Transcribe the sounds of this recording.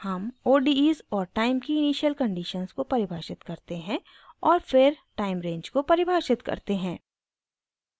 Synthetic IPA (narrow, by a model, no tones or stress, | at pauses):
hɐmoːɖiiːzɔːɾʈaːɪmkiɪniːʃjəlkɐ̃ɳɖiːʃənzkopɐɾɪbʱaːʃɪt̪kɐɾt̪eɦɛ̃ | ɔːɾfɪɾʈaːɪmɾẽːɲd͡ʒkopɐɾɪbʱaːʃɪt̪kɐ̰ɾt̪eɦɛ̃ː